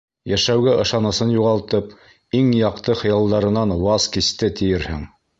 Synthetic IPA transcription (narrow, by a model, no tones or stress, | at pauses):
jæʃæwɡæʔɤ̆ʃɑnɤ̆sɤnjuʁɑlˠt̪ɤp | iŋjɑqt̪ɤχɤ̆jɑlˠd̪ɑɾɤ̆nɑnwɑzkist̪ɘt̪ɘ̆jɘɾhɘ̰ŋ